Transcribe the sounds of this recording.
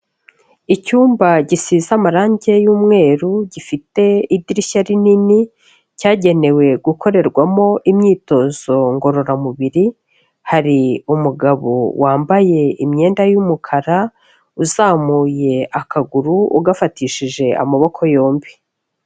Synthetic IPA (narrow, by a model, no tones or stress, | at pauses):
icuːmbaɟisiːzamaɾaːɲɟe̞juːmŋe̞ːɾuɟifite̞idiɾiʃaɾinini | caːɟe̞ne̞we̞ɡuko̞ɾe̞ɾɡwamo̞ʔimɲiːto̞z̥o̞ŋɡo̞ɾo̞ɾamuβiɾi | haɾiumuɡaβo̰wʔaːmbaje̞imɲe̞ːndajumukʰaɾa | uzaːmuːje̞akaɡuɾuuɡafatiʃiʒe̞a̰maβo̞kʰo̞jo̞ːmbi